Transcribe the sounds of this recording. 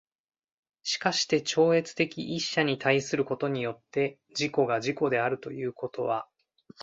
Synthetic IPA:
ɕi̥kaɕi̥t̪e̞t͡ɕo̞ːe̞t͡sɨ̥t̪e̞kʲḭʔiɕːaɲ̟it̪ʰaisɨɾɯ̟ko̞t̪o̞ɲ̟ijo̞t̪ːe̞ | d͡ʑiko̞ɡaʑiko̞d̪e̞aɾɯ̟t̪o̞jɯ̟ːko̞t̪o̞βa

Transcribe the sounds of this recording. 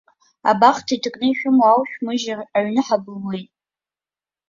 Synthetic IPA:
a̰baχtʰitʰɨkʼnɨiʃᶣʊmawʃᶣmɨʒaaɥnɨħabɨlwejtʼ

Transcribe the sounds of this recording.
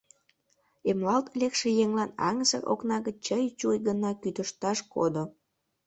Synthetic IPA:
emlɑlt̪lekʃejeŋlɑnɑ̰ŋəzə̰rʔo̰knɑɣət͡ɕəjt͡ɕujɡənɑkyt̪əʃt̪ɑʃko̰d̪o

